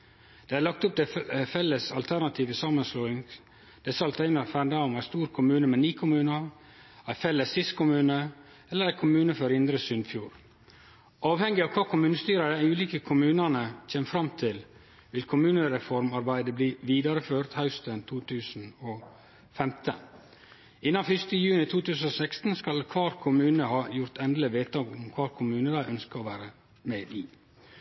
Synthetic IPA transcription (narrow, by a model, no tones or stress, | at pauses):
d̪̥eːæɾɭlɑkt̪ʊp̚d̪ɛfɛlːəsɑlt̪ʰæɾnɑt̪ʰiːʋəsɑmːənsloːɪŋ | d̪̥ɛsɑlt̪ʰeɪnəfæɳd̪ɑʊmæst̪uːɾkʰʊmʉːnəmɛːniːkʰʊmʉːnə | æɪfɛlːəsːɪst̪kʰʊmʉːnə | ɛlːəɾæɪkʰʊmʉːnəfɔɾɪnd̪ɾəsʏnfjuːɾ | ɑːʋhɛŋɡɪɑʋkʰɑːkʰʊmʉːnəst̪yːɾɑɾəæʉːliːkəkʰʊmʉːnənəc͡çʰeːmfɾɑmt̪ʰɪl | ʋɪlkʰʊmʉːnəɾɛfɔɾmɑɾbæɪd̪əbliːʋiːd̪ɑɾəføːɾt̪hɑʉst̪ənt̪ʰuːt̪ʰʉːsn̩ɔ | fɛmt̪ʰə̰ | ɪnːɑfʏst̪əjʉːnɪt̪ʰuːt̪ʰʉːsn̩ɔsɛkst̪n̩skɑlkʰʋɑːɾkʰʊmʉːnəhɑːjʊɾt̪ʰɛnd̪lɪʋeːt̪əɔmɔmkʰʋɑːɾkʰʊmʉːnəd̪æɪʔœnskəɔʋæːɾə | meːiː